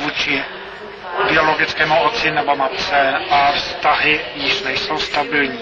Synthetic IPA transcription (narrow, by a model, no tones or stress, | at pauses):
vuːt͡ʃɪ | bɪo̞lo̞ɡɪt͡skɛːmuʔott͡sɪnɛbomatt͡sɛʔafst̪aɦɪjɪʃnɛjso̞wst̪abɪlɲiː